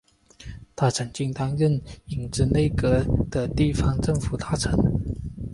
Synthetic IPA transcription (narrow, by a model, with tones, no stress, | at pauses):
t̪ʰa˥˩ʈ͡ʂʰə˧˥ŋt͡ɕi˥˧ŋt̪ɑ˥ŋɻə˥˩ni˨˩ŋʈ͡ʂɻ̩˥˧ne˥˩ɪkɤ˧˥d̪̥ə˧t̪i˥˩fɑ˥ŋʈ͡ʂɤ˥˩ŋfu˨˩t̪ʰa˥˩ʈ͡ʂʰɤ˧˥ŋ